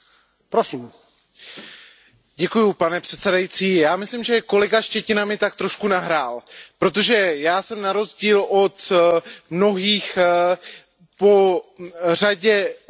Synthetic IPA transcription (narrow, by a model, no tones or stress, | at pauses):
pɾosiːm | ɟɛkujupanɛpr̥ɛt̪sɛdajit͡siːjaːmɪslimʒɛko̞lɛɡaʃcɛcɪnamɪt̪ak̚t̪ɾo̞ʃkunaɦɾaːlpɾo̞t̪o̞ʒɛjaːsɛmnaɾo̞zɟiːlʔo̞t̪mno̞ɦiːx | po | r̝aɟɛ